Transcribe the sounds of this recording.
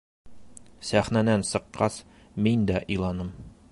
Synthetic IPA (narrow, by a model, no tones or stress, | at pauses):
sæχnæd̪ænsɤ̆qːɑs | mind̪æʔĭjlˠɑnɤm